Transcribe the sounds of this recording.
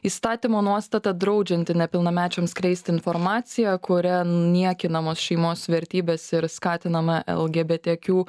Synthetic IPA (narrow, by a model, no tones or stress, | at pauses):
iːst̪ɑːt̪ʲimoːnuɔst̪ɐt̪ɐd̪ɾɒʊd͡ʒʲɛnʲt̪ʲɪnʲɛpʲɪlˠnɐmʲæːt͡ʃʲoːmskɾʲɛɪsʲt̪ʲɪɪnfɔɾmɑːt̪sʲɪjɛkʊɾʲɛnʲiɛkʲɪnɐmoːsʃʲɛɪmoːsʋʲɛɾʲt̪ʲiːbʲeːsɪɾskɑːt̪ʲɪnɐmɐʔɛ̰lˠɡʲeːbʲeːt̪ʲekʲuː